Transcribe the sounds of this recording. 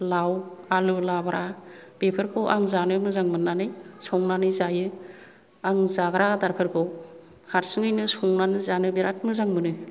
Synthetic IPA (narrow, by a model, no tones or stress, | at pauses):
lawalulabaɾʔab̥epʰɯɾkʰowʔaŋzanɯmɯzaŋmɯnːanɯjsɔŋnanɯzajɯ | aŋzaɡaɾadaɾpʰɯɾkʰow | haɾsɯŋɯjnɯsɔŋnanɯzanɯbeɾat̚ʰmɯzaŋmɯnɯ